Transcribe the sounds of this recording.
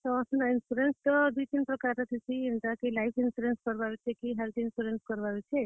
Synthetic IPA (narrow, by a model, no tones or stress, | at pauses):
t̪ɔːsninuɾenst̪ɔd̪ut̪inpɾɔkaɾt̪ɔt̪ʰisʰiimʈ̪akelajpʰinsuɾenskɔɾbaɾut͡ʃʰekiɦelt̪insuɾenskɔɾbaɾut͡ʃʰe